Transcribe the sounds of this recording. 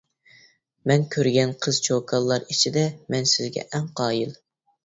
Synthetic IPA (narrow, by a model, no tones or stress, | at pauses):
mɛnkʲʰøɾɡʲɛnqʰəz̥t͡ʃʰokʰɑlˠːɑɾit͡ʃʰid̪ɛmɛnsɪzɡʲɛ̰ʔɛŋqʰɑːjil